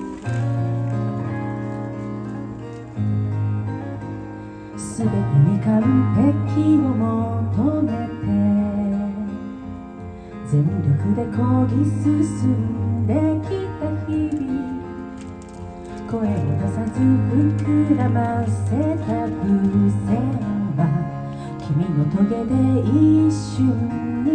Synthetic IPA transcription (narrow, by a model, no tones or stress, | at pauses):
sɨbe̞t̪emikaɯ̟be̞kʲʰːinomot̪omet̪ʰe | d͡zẽ̞nɾʲokɯ̟d̪e̞koɾʲisɨsɨd̪e̞kʲit̪açibʲi | ko̞eɾok̪asaziɲikɯɾanasesakɯ̟seba | kʲimʲinot̪o̞ɡe̞d̪e̞iɕɨɲi